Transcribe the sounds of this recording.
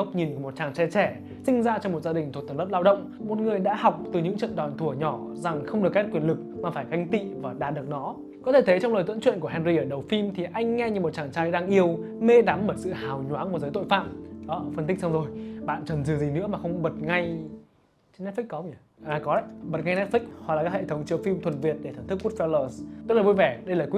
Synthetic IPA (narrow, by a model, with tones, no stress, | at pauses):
ə˦˥wk͡p̚ɲi˨˩nku˧˩mo˨˩t̚t͡ɕaː˨˩ŋt͡ɕɛ˧t͡ɕɛ˧˩ | sï˧ŋ̟zaː˧t͡ɕɔ˧ŋ͡mmo˨˩t̚zaː˧ɗi̟˨˩t̪ʰu˨˩t̪ːlə˦˥p̚laː˧wɗə̰˧˨wŋ͡mmo˨˩t̚ŋɨ˨˩əjɗa̰ː˧˥ha˨˩wk͡p̚t̪ɨ˨˩ɲɨ̰˧˥ŋt͡ɕə̰˧˨nɗɔ˨˩nt̪ʰu˧˩əɲɔ˧˩za˨˩ŋxə˧wŋ͡mɗɨ˨˩ək̚ːɛ˦˥t̚kwi˧˩ənlɨ˨˩k̚maː˨˩faː˧˩jka˧jŋ̟t̪ḭ˧˨vaː˨˩ɗa̰ː˨˩t̚ɗɨ˨˩ək̚nɔ˨˦ | kɔ˨˦t̪ʰe˧˩t̪ʰjt͡ɕɔ˧wŋ͡mləː˨˩jt̪wə̰˧˥nt͡ɕwḭ˧˨nku˧˩əɦɛ˧nɾi˧ʔəː˧˩ɗə˨˩wfi˧mt̪ʰi˨˩ʔa˧jŋ̟ŋɛ˧ɲɨ˧mo˨˩t̚t͡ɕaː˨˩ŋt͡ɕaː˧jɗaː˧ŋʔi˧əwme˧ɗa˨˦mɓəː˧˩sɨ̰˧˨haː˨˩wɲwaː˨˦kmu˧˩zəː˨˦jt̪o̰˧˨jfa̰ː˧˨mɗɔ˨˦fə˧nt̪i˦˥k̟̚sa˧wzo˨˩jɓa̰ː˧˨nt͡ɕə˨˩nzɨ˨˩zi˨˩nɨ̰˧˥əmaː˨˩xə˧wŋ͡mɓə˨˩t̚ŋa˧j | t͡ɕnːɛ˦˥t̚fi˦˥k̚kɔ˨˦˨ʔaː˨˩kɔ˨˦ɗə˧˦jɓə˨˩t̚ŋa˧jnɛ˦˥t̚fï˦˥k̟̚hɔ̰˨la˨˩a˦˥khḛ˧˨˩t̪ʰwŋ͡mt͡ɕəː˧˩fi˧mt̪ʰwə˨˩nvi˨˩ət̚ɗe˧˩a˨˧˩ŋt̪ɨ˦˥k̚ːu˦˥t̚fɛ˧ləː˨˩sə˦˥laː˨˩vo˧jvɛ˧˩ɗə˧jlaː˨˩kwi˦